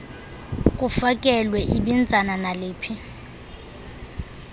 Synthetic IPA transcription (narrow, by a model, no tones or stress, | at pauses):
k̬ʼufakʼɛlwɛʔiɓind͡zʱananaleːpʰi